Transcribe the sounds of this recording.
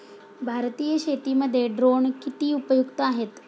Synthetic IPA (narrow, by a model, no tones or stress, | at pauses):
bʱaɾt̪ijəɕet̪iməd̪ʱːjeɖɾoɳkit̪iːupəjuɡt̪aaɦet̪